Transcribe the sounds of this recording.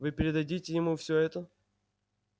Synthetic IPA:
vɨpʲɪɾʲɪd̪ɐdʲitʲɪjɪmufsʲɵɛt̪ə

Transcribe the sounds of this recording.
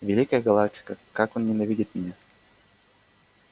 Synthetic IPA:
vʲɪlʲikəjəɡɐlˠak̚tʲɪ̥kəkakonnʲɪnɐvʲidʲɪt̪mʲɪnʲa

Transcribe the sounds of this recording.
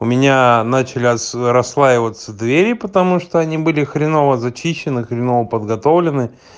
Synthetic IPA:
ʊmʲɪnʲanat͡ɕɪlʲɪsɾɐslˠaɪvət̪səd̪vʲeɾʲɪpət̪ɐmuʂt̪oɐnʲibɨlʲɪxɾʲɪnovəzɐt͡ɕiɕːɪnɨxɾʲɪnovəpəd̪ɡɐt̪o̞vlʲɪnɨ

